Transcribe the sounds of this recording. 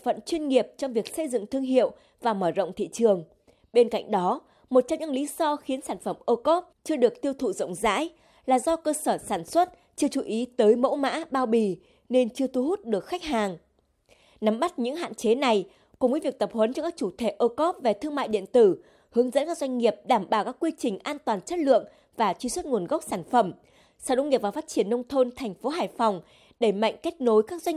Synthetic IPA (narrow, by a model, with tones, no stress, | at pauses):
fə̰˧˨nt͡ɕwi˧nŋi˨˩əp̚t͡ɕɔ˧wŋ͡mvi˨˩ək̚sə˧jzɨ̰˧˨ŋt̪ʰɨ˧əŋɦḭ˧˨əw | vaː˨˩məː˧˩zə̰˧˨wŋ͡mt̪ʰḭ˧˨t͡ɕɨ˨˩əŋ | ɓe˧nka̰˧˨jŋ̟ɗɔ˨˦ | mo˨˩t̚t͡ɕɔ˧mɲɨ̰˧˥ŋlḭ˨˦zɔ˧xi˨˦ənsaː˧˩nfə˧˩mʔəː˧kɔ˦˥p̚t͡ɕɨ˧əɗɨ˨˩ək̚t̪i˧əwt̪ʰṵ˧˩zə̰˧˨wŋ͡mza̰ː˧˥j | laː˨˩zɔ˧kəː˧səː˧˩saː˧˩nswə˦˥t̚ | t͡ɕɨ˧ət͡ɕu˧˩ʔi˨˦t̪əː˨˦jmo̰˧˥wma̰ː˧˥ɓaː˧wɓi˨˩ | ne˧nt͡ɕɨ˧ət̪ʰu˧hu˦˥t̚ɗɨ˨˩ək̚xa˦˥k̚haː˨˩ŋ | na˨˦mɓa˦˥t̚ɲɨ̰˧˥ŋɦa̰ː˧˨nt͡ɕe˨˦na˨˩j | kʊ˨˩ŋ͡mvəː˨˦vi˨˩ək̚t̪ə˨˩p̚hə˨˦nt͡ɕɔ˧kaː˦˥k̚t͡ɕu˧˩t̪ʰe˧˩ʔəː˧kɔ˦˥p̚ve˨˩t̪ʰɨ˧əŋma̰ː˧˨jɗḭ˧˨ənt̪ɨ˧˩ | hɨ˨˦əŋzə̰˧˥nkaː˦˥k̚zwjŋ̟ŋi˨˩əp̚ɗaː˧˩mɓaː˧˩wkaː˦˥kːwi˧t͡ɕï˨˩ŋ̟ʔaː˧nt̪waː˨˩nt͡ɕə˦˥t̚lɨ̰˧˨əŋ | vaː˨˩t͡ɕwi˧swə˦˥t̚ŋu˨˩ənɣa˦˥wk͡p̚saː˧˩nfə˧˩m | səː˧˩ɗo̰˧˨ŋi˨˩p̚vaː˨˩faː˦˥t̚t͡ɕi˧˩ənːə˧wŋ͡mt̪ʰo˧nt̪ʰɛ˨˩jŋ̟fo˨˦ɦaː˨˩jfɔ˨˩wŋ͡m | ɗe˧˩ma̰˧˨jŋ̟ke˦˥t̚no˨˦jkaː˦˥k̚zwa˧